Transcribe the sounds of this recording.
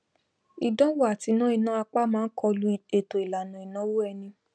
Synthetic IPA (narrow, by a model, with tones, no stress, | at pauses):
i˨dɔ̃˦wo˦a˨ti˨˧˦nã˦i˧nã˦a˧k͡pa˦mãː˦n̩˦kɔ˧lu˦˨e˨to˨i˨la˨nũ˨i˨nã˦wo˦ɛ˧nĩ˧